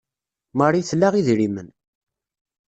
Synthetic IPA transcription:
mərˤiθlːaʁiðɾimən

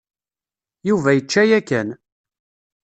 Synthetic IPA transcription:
juvæjət͡ʃːæjækæn

